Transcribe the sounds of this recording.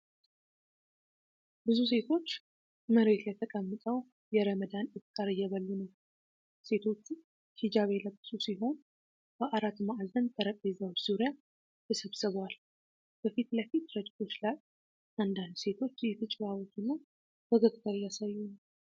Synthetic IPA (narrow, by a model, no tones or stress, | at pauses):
bɨzus̬e̞t̪ʰo̞t͡ʃː | məɾe̞t̪ləjt̪ʰəkʼəmːɨt̪ʼəw | jɛɾəməd̪anjɪtk̪ʼːaɾɨjɛβəlːɨnəw | se̞t̪ʰo̞t͡ʃːu | hid͡ʒaβe̞ləkʼsʼusiɦo̞n | b̥əʔaɾat̪maald̪ənt̪ʼəɾəkʼezəwbzuɾija | jɛsəβsɨβwal | b̥əfit̪ləfit̪ɾəd͡ʒɪk̪ʰo̞t͡ʃːlaj | ʔand̪and̪se̞t̪ʰo̞t͡ʃːɛt̪ʰɨt͡ʃʼβawot̪ɨnːaw | b̥əɡəkʼt̪ʼəɾjasajːunəw